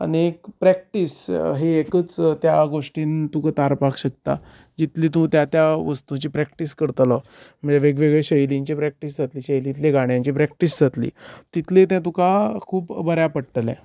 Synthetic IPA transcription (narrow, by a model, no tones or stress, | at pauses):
a̰niekpɾɛk̚ʈiːsɦeːkət͡st̪jaɡoʂʈiːnt̪ũkət̪aɾpakɕək̚t̪a̰ | d͡ʑit̪liːt̪ũt̪jat̪jaʋəst̪ũt͡ɕiːpɾɛk̚ʈiskəɾt̪la | m̤əd͡zeʋeɡʋeɡɭeɕəjliɲt͡ɕipɾɛk̚ʈisd͡zʱat̪liːɕəjlit̪leɡaɽ̃jãɲt͡ɕipɾɛk̚ʈisd͡zʱat̪lḭːt̪it̪ʰlet̪jãt̪ũkakʰuːpbəɾjapəɽʈəlɛ̰̃